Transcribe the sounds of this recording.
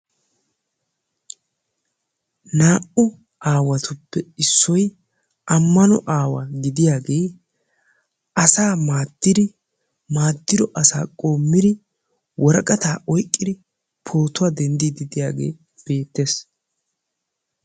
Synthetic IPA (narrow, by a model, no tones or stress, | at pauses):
naːʔʊ | ʔaːwɐt̪ʰʊpːɛɪsːɔj | ʔɐmːɐnɔ̰ʔaːwa̰ɡɪd̪ɪjaːɡe̞ː | ʔɐsaːmaːd̪̥ːɪd̪ɪ | maːd̪ːɪd̪ɔʔɐsa̰ːkʼo̞ːmːɪd̪ɪ | wʔɔɾɐkʼɐt̪aːʔɔjkʼːɪd̪ɪ | pʰo̞ːt̪ʊwad̪ɛnd̪id̪ɪd̪ɪjaːɡe̞̰ː | b̥e̞ːt̪ːe̞ːs